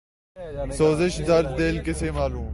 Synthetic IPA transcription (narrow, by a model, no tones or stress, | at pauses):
soːzɪʃd̪ɐɾd̪d̪eːlkɪseːmaːluːm